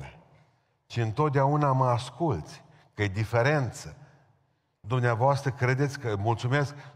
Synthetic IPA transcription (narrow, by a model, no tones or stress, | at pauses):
e | t͡ʃiɨnt̪o̞t̪̚d̪eaunaməaskult̪sʲ | kəjed̪ife̞ɾe̞nt̪sə | d̪umneavoast̪ɾəkɾe̞d̪et̪sʲkəmult̪sume̞sk